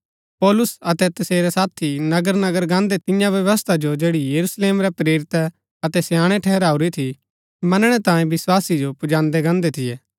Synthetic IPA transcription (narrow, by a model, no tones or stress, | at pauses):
pɔːlʊsɐt̪ɛt̪ɐseːɾɛsaːt̪ʰinɐɡəɾnɐɡəɾɡãːnd̪et̪ɪjãʋjɐʋəst̪ʰad͡ʒod͡ʒeːɽijɐɾusleːmɾɛpɾeːɾɪt̪ɛ | ɐt̪ɛsjaːɽ̃ɛʈʰɛːɾaːuɾit̪ʰi | mɐnɽ̃ɛt̪ãːjẽbɪswaːsid͡ʒopʊd͡ʒãːnd̪ɛɡãːnd̪et̪ʰɪjɛː